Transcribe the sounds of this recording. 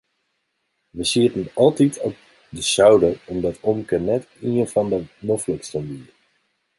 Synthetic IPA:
ʋəsiːtənɑlˠtitɔ̰p̚ | dəsœwdəɔmdɑtɔmkənɛt | iənvɑndənɔfləkstəmbi

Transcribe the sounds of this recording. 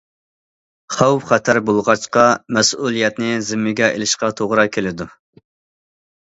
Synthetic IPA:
χɑwpχɛt̪ʰæɾbolˠʁɑt͡ʃqɑmɛsulˠijɛt̪nɪzɪmːɪɡʲɛʔḛlɪʃqɑt̪ʰoʁɾɑkʲʰelɪd̪u

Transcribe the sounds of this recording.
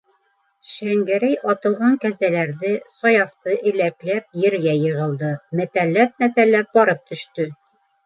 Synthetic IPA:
ʃæŋɡæɾæjʔɒt̪ɤ̆lˠʁɑŋkæzælæɾðɘsɒjɑft̪ɤʔɘ̆læklæp̚jɘ̆ɾɡæjɤ̆ʁɤ̆lˠd̪ɤmæt̪ælːæp̚mæt̪ælːæp̚bɒɾɤp̚t̪ɵ̆ʃt̪ɵ

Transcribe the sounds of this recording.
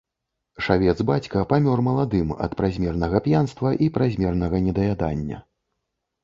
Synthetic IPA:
ʂavʲɛd̪zbat͡sʲkɐpamʲɔrmɐlˠad̪ɨmɐ̰t̪pɾazʲmʲɛrnɐɣɐpjanst̪vɐʔipɾazʲmʲɛrnɐɣɐnʲɛd̪ɐjad̪a̰nʲːɐ̰

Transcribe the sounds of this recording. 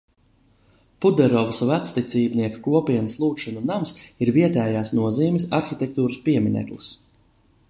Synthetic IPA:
pud̪ɛɾɔvsvæt̪st̪it̪siːbniɛku̥kuɔpʲiɛnəslˠuːt̪ʃɔnunamsiɾviɛt̪ɛːjaːsnuɔziːmʲis̬aɾxit̪ʲɛk̚t̪uːɾɨspiɛmʲinɛ̰t̪lˠis

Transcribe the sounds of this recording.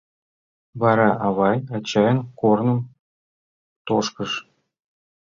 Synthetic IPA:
βɑɾɑʔɑβɑjɑt͡ɕɑjənkornɤ̆m | t̪oʃkəʃ

